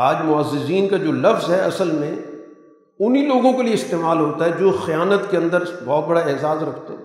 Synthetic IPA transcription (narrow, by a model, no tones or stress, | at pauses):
aːd͡ʒmʊəzːɪziːnkad͡ʒoːlɐfzɦɛɐsəlmẽ | ʊniloːɡõkelijeɪst̪eːmaːlɦoːt̪aɦɛd͡ʒoːxijaːnət̪keɐ̃nd̪əɾbɔːt̪̚bɐɽaeːzaːzɾɐkʰt̪aɦɛ̰ː